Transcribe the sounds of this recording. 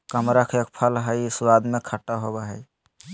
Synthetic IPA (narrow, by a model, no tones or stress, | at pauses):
kəmɾakʰek̚pʰəlɦəjsuwad̪mekʰəʈːaɦobaɦəj